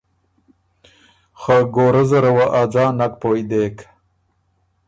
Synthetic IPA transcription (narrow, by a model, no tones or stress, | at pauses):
xaɡoɾazɐɾawaʔad͡zɑːnak̚pojd̪eːk